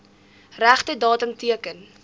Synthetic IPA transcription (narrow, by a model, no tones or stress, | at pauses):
ræχtədɑːtəmtiəkən